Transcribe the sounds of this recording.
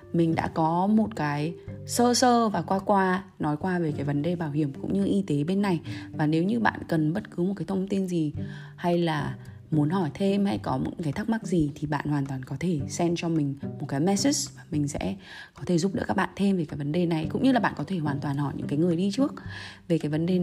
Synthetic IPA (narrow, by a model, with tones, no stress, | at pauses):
mï˨˩ŋ̟ɗa̰ː˧˥kɔ˨˦mo˨˩t̚kaː˨˦jsəː˧səː˧vaː˨˩kwaː˧kwaː˧nɔ˨˦jkwaː˧ve˨˩kaː˨˦jvə˨˦nɗe˨˩ɓaː˧˩whi˧˩əmkʊ̰˧˥ŋ͡mɲɨ˧ʔi˧t̪e˨˦ɓe˧nːa˨˩jvaː˨˩ne˨˦wɲɨ˧ɓa̰ː˧˨nkə˨˩nɓə˦˥t̚kɨ˨˦mo˨˩t̚kaː˨˦t̪ʰə˧wŋ͡mt̪i˧nzi˨˩ha˧jlaː˨˩ | mu˨˦ənhɔ˧˩jt̪ʰe˧mha˧jkɔ˨˦mɨ̰˧˥kaː˨˦jt̪ʰk̚ma˦˥k̚zi˨˩t̪ʰi˨˩ɓa̰ː˧˨nhwaː˨˩nt̪waː˨˩nkɔ˨˦t̪ʰe˧˩sɛ˧mt͡ɕɔ˧mï˨˩ŋ̟mo˨˩t̚kaː˨˦jmɛ˦˥si˦˥svaː˨˩mï˨˩ŋ̟sɛ̰˧˥ | kɔ˨˦t̪ʰe˧˩zʊ˦˥p̚ɗ̰ɨ̰˧˥kaː˦˥k̚ɓa̰ː˧˨nt̪ʰe˧mve˨˩kaː˨˦jvə˨˦nɗe˨˩na˨˩jkʊ̰˧˥ŋ͡mɲɨ˧laː˨˩ɓa̰ː˧˨kɔ˨˦e˧˩hwaː˨˩nt̪waː˨˩nhɔ˧˩jɲɨ̰˧˥ŋkaː˨˦jŋɨ˨˩əjɗi˧t͡ɕɨ˦˥ək̚ve˨˩kaː˨˦jvə˨˦nɗe˨˩